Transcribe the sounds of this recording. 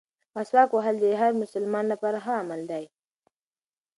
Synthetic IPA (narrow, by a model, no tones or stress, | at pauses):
maswɑkwaɦald̪eɦaɾmʊsəlmɑnlapaɾaxaːmald̪aj